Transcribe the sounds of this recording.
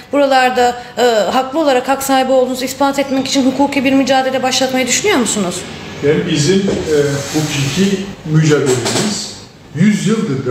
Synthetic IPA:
b̥uɾalˠaɾd̪a | ɯɦaklˠɯo̞lˠaɾakhaksaːhibio̞lˠd̪unzispant̪ɛt̪mɛci̥t͡ʃʰinɦukʰuːkʰibiɾmyd͡ʒaːd̪elʲɛbaʃlˠat̪majad̪yʃynyjo̞ɾmusunuz̥ | janibizimɛhukʰicʰimyd͡ʒaːd̪elʲemiz̥ | jyzjɯlˠd̪ɯd̪

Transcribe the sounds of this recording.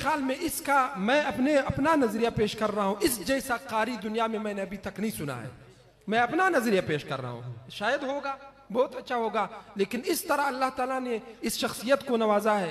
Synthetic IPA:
xjaːlmẽʔɪskamɛ̃ːɐpneɐpnanɐzɾijapeːʃkɐɾːɐɦaɦũʔɪsd͡ʒɛːsaqaːɾid̪ʊnijamẽmɛ̃ːneɐbʱit̪ɐknɐɦĩsʊna̰ɦɛ̰ː | mɛ̃ɐpnanɐzɾijapeːʃkɐɾːa̰ɦṵ̃ɦũʃaːjəd̪ɦoːɡaː | bɔːt̪ɐtːʃʰaɦoːɡaleːkɪnɪst̪ɐɾaɐlːaɦt̪aːlaneɪsʃɐxsijət̪konɐʋaːzaɦɛː

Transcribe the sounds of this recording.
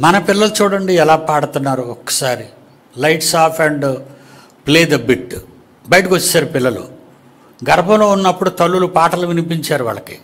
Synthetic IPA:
mɐnɐpilːɐlut͡ʃuːɽɐɳɖiɛlaːpaːɽut̪unːaːɾuɔkːɐ̥saːɾi | lɐjʈsaːpʰɐɳɖ | pleːd̪ɐbiʈ | bɐjʈɐkʋot͡ʃːsaːɾupilːɐlṵ | ɡɐɾɐbʱɐ̃lo̞ːunːɐpːuɽut̪ɐɭːulupaːʈɐluʋinipiɲt͡ʃaːɾuʋa̰ːɭːɐkḭ

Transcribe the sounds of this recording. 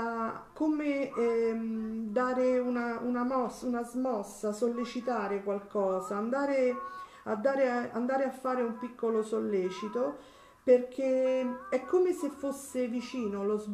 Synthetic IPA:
akːome | d̪aːɾeunaʔunamɔsunazmɔsːasolːet͡ʃit̪aːɾekwalkɔːzaːnd̪aːɾe | ad̪ːaːɾea̰nd̪aːɾeafːaːɾeumpikːolosolːeːt͡ʃit̪o | perk̟eɛkʰːomesefːosːevit͡ʃiːnoloz

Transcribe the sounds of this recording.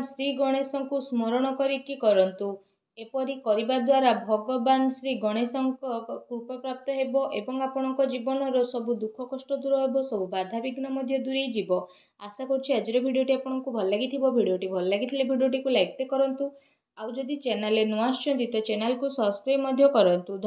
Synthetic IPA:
sɾiɡɔɽ̃esɔŋkusmoɾɔɽ̃ɔkɔɾikikɔɾɔnt̪u | epɔɾikɔɾibad̪waɾabʱɔɡɔbansɾiɡɔɽ̃esɔŋkɔkupɔpɾap̚t̪ɔɦebɔʔebɔŋapɔɽ̃ɔŋkɔd͡ʒibɔnɔɾɔsɔbud̪ukʰɔkɔsʈɔd̪uɾɔɦebɔsɔbubad̪ʱabiɡnɔmɔd̪ʱjɔd̪uɾejd͡ʒibɔ | asakɔɾt͡ʃʰiad͡ʒɔɾɔbʱiɖijoʈiapɔɽ̃ɔŋkubʱɔlɔlaɡit̪ʰibɔbʱiɽijoʈibʱɔlɔlaɡit̪ʰilebʱiɖioʈ̬ikulajk̚ʈekɔɾɔnt̪u | awd͡ʒɔd̪it͡ʃenalenuast͡ʃʰɔnt̪it̪ɔt͡ʃenalkusɔ̃skɾajmɔd̪ʱjɔkɔɾɔnt̪ud̪ʱ

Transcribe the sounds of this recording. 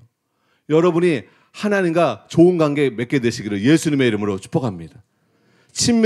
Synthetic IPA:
jʌɾʌbuɲi | hanaɲimɡat͡ɕoɯnɡwaŋɡe̞me̞k͈e̞dwe̞ɕʰiɡiɾɯɭje̞sʰuɲime̞iɾɯmɯɾot͡ɕʰu̥p͈ʰʌkʰamɲid̥a | t͡ɕʰimː

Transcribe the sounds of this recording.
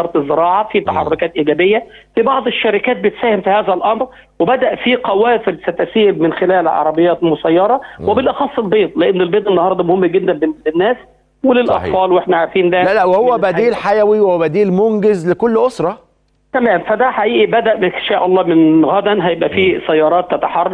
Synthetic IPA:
ɑɾˤt̪ezːɪɾɑːʕɑfiːt̪ɑħɑ̰rˤːokæːt̪ʔiɡæːbejːæ | fibɑʕd̪ˤeʃːæɾɪkæːt̪̚bet̪sæːhɪmfihæːzælʔɑmɾ | webæd̪æʔfiqæwæːfɪlsæt̪æsiːɾmɪnxelæːlʕɑ̰ɾˤɑbejːæːt̪mʊsæjːɑɾˤɑwebɪlʔɑxɑsˤːelbeːt̪ˤleʔɪnːɪlbeːt̪ˤenːɑhɑːɾˤd̪ˤɑmohɪmːæɡɪd̪ːænblɪnːæːs | welɪlʔɑ̰t̪ˤfɑːlwʔeħnæʕaɾfiːnd̪ælælæʔwehowːæbæd̪iːlħajæwiwebæd̪iːlmoŋɡɪzlekolːʔosɾˤɑ | t̪æmæːmfæd̪æħaʔiːʔibæd̪æʔmɪʃæːʔɑlˤːɑːmɪnɣæd̪ænɦæjebʔæfiːsæjːɑːɾˤɑːt̪ːæt̪aħɑrˤːɑ

